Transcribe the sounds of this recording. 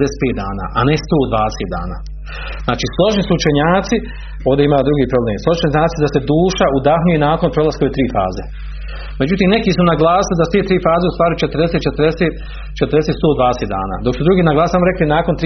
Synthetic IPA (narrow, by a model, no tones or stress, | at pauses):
d̪ese̥t̪peːt̪̚d̪a̰ːna̰ːʔane̞st̪oːd̪ʋaːd̪eseːt̪d̪a̰ːna̰ː | znaːt͡ʃiːslˠo̞ʒnisuut͡ʃe̞ɲaːt̪si | o̞ːʋd̪e̞imaːd̪ɾuɡiːpɾo̞bleːmslo̞ʒiiuɲaːt̪sisd̪ase̞d̪uːʃaud̪axɲujenaːko̞npɾo̞lˠaskoʋet̪ɾiːfa̰ːze | me̞d͡ʑut̪iːmne̞kiːsunaɡlaːsilid̪asu̥t̪eːt̪ɾiːfaːzeust̪ʋaːɾit͡ʃet̪əɾd̪eset̪̚t͡ʃet̪ɾd̪eseːt̪ | t͡ʃet̪ɾd̪eset̪st̪oːd̪ʋaːd̪eseːt̪d̪a̰ːna̰ːd̪o̞ksud̪ɾuɡiːnaɡlˠaːsisamoɾe̞klinaːko̞nt̪